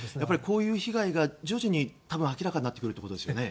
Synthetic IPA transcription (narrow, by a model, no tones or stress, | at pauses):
japːaɾʲiko̞ːjɯ̟ːçiɡaiɡad͡ʑoːʑiɲ̟it̪abɯ̟̃akʲiɾakaɲ̟̃nat̪ːekɯɾ̟t̪ːeko̞t̪d̪esɨjne̞